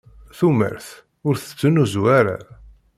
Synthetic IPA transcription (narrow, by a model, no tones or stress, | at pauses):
θumə̰ɾθ | ʊɾθə̥t͡sːənuzuaɾa̰